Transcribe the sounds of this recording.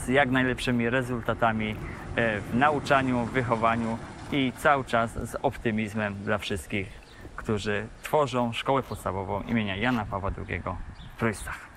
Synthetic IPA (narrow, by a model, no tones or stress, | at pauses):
z̥jaɡnajlɛpʂɘmʲiɾɛzult̪at̪amʲi | vnaut͡ʂaɲuvɘxɔvaɲuit̪sawɘt͡ʂasːɔpt̪ɘmʲizmɛmd̪lafʂɘst̪̚kʲix | kt̪uʐɘt̪fɔʐɔ̃w̃ʂkɔwɛpɔt̪st̪avɔvɔ̃w̃ʔḭmʲeɲajanapavwad̪ɾṵɡʲɛ̰ɡɔp̪ɾujst̪ḁx